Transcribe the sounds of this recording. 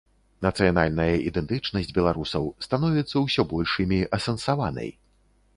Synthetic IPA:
nɐt̪sɨjanalʲnɐjɐʔid̪ɛnt̪ɨt͡ʂnɐsʲd͡zʲbʲɛlˠaɾusɐwst̪anɔvʲɛt̪sːɐwsʲɔbɔlʲʂɨmʲiʔɐsɐnsavanɐ̰j

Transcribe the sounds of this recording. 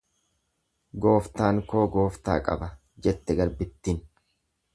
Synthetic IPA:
ɡo̞ːft̪aːŋko̞ːɡo̞ːft̪a̰ːkʼɐ̰bɐ | d͡ʒɛt̪ːɛɡɐɾbɪt̪ːɪn

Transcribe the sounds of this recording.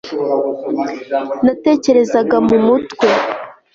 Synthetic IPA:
nate̞ːce̞ɾe̞zaɡamumutwe̞

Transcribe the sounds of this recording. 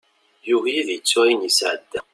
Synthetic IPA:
juɦjiðjət͡sːæjinjisʕəd̪ːæ

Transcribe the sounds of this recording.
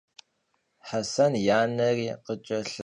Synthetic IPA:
ħasɐnjaːnɐriːqət͡ʃʼɐɬ

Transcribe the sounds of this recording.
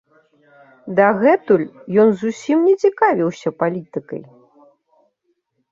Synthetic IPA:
d̪ɐɣɛt̪ulʲjɔnzusʲimnʲɛt͡sʲikavʲiwsʲɐpalʲit̪ɨkɐ̰j

